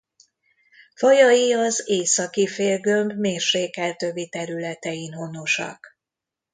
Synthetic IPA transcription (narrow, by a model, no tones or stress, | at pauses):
fɒjɒjiɒzeːsɒkifeːlɡømbmeːrʃeːkɛlt̪øbit̪ɛɾylɛt̪ɛjinɦo̞no̞ʃɒ̰k